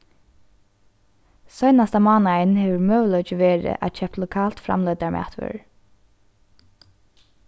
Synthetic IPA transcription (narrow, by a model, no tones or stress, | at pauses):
sɔjnast̪amɑːnaɪnhɛːʋəɹmœːwlɔʏt͡ʃɪʋeːɾɪ̰ʔa̰t͡ʃʰɛp̚t̪lʊkʰɑːlt̪fɾa̰mlœjt̪aɹmʔæ̰ːt̪ʰʋʏ̰ɹ